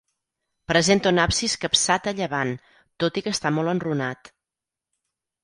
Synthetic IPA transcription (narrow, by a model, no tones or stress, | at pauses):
pɾəzent̪əunapsiskəpsat̪əʎəβan | t̪ot̪ikəst̪amɔlˠənrunat̪